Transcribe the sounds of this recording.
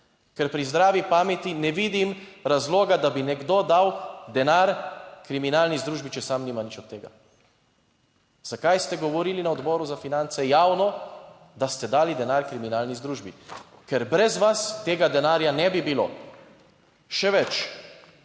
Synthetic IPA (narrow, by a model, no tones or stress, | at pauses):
kɛɾpɾizd̪ɾaːʋipaːmɛt̪inɛʋid̪imɾazloːɡad̪abinɛɡd̪oːd̪awd̪ɛnaɾkɾiminaːlnizd̪ɾuːʒbit͡ʃɛsamniːmanit͡ʃɔt̪ːeːɡa̰ | z̥akajst̪ɛɡɔʋɔɾiːlinaɔd̪bɔːɾuzafinant̪sɛjaːwnɔ | d̪ast̪ɛd̪aːlid̪ɛnaɾkɾiminaːlnizd̪ɾuːʒbi | kɛɾbɾɛzʋast̪eːɡad̪ɛnaːɾjanɛbibilo̰ː | ʃɛʋɛt͡ʃ